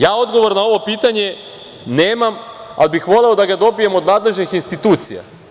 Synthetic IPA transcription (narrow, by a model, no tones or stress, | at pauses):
jaːo̞d̪ɡo̞ʋo̞ɾnao̞ʋo̞piːt̪aɲe̞ | neːmama̰libixʋo̞le̞o̞d̪aɡad̪o̞bijemo̞d̪naːd̪le̞ʒnixinst̪it̪uːt̪sija̰